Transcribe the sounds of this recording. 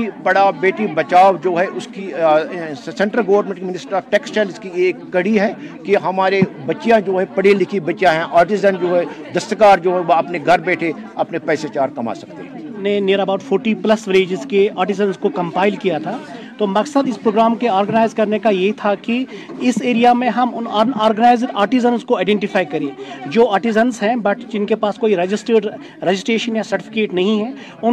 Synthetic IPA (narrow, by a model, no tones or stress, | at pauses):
ibɐɽabeːʈibɐt͡ʃaːod͡ʒoːɦɛʔʊski | sɛ̃ɳʈɾəlɡɐːʋəɾnmẽɳʈkmɪnɪsʈəɾaːfʈɛːksʈɛːlskieːkːɐɽiɦɛ | keɦɐmaːɾebɐtːʃijãd͡ʒoːɦɛpɐɽelɪkʰibɐtːjãɦɛ̃ʔaːɾʈɪzənd͡ʒoːɦɛd̪ɐsəkaːɾd͡ʒoːɦɛʋoɐpneɡʱɐɾbɛːʈʰe | ɐpnepɛːset͡ʃaːɾkɐma̰ːsɐ̥k̚t̪ḛɦɛ̰̃ːnẽneːɾabaːʊʈfʰoːɾʈiplɐsʋɪɾeːd͡ʒɪzkeaːɾʈɪzənzkokɐ̃mpaːɪlkijat̪ʰaːt̪oːmɐksəd̪ɪspɾoːɡɾaːmkeaːɾɡənaːɪzkɐɾnekajet̪ʰakiɪseːɾijamẽɦɐmʊnːaːɾɡənaːɪzɖaːɾʈɪzənzkoaːɪɖɛ̃ɳʈɪfaːikɐɾẽːd͡ʒoːaːɾʈɪzənzɦɛ̃bɐʈd͡ʒɪnkepaːskoːiɾed͡ʒɪsʈəɾɖ | ɾed͡ʒɪsʈɾeːʃənjasɐɾʈɪfɪ̥keːʈnɐɦĩɦɛ̃ː | ʊn